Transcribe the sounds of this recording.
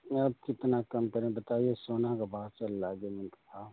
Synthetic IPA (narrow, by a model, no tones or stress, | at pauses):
ɐb̚kɪt̪nakɐmkɐɾẽbɐt̪aːiesoːnakabʱaːt̪̚t͡ʃəlːaːɡemɪnksaː